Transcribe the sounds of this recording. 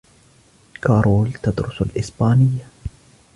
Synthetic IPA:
kaːɾˤoːlt̪ad̪ɾʊsalʔɪsbaːnɪjːa

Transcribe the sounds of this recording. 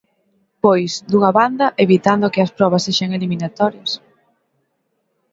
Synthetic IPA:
pojzd̪uŋɐβand̪ɐʔeβit̪and̪okɪɐspɾɔβ̞ɐsːeʃaŋeliminat̪ɔɾjɐs

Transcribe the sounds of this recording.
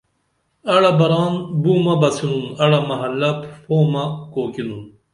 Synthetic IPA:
ɐɽɐbɐɾɑːnbuːmɐbɐsinunɐɽɐmɐɦɐlːɐpfʰoːmɐkoːkinun

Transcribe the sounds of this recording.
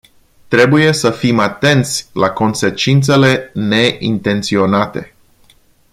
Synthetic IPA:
t̪ɾe̞buje̞səfimat̪e̞nt̪sʲlako̞nse̞t͡ʃint̪se̞le̞ne̞ʔḭnt̪e̞nt̪sio̞nat̪e̞

